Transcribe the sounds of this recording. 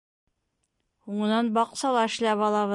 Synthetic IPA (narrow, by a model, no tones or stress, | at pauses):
huɴɤ̆nɑnbɑqsɑlˠɑɘ̆ɕlæpɒlˠɑβɤ